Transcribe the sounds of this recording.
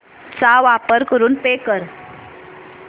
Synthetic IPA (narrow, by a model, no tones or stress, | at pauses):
t͡saʋapəɾkəɾuːnpekəɾ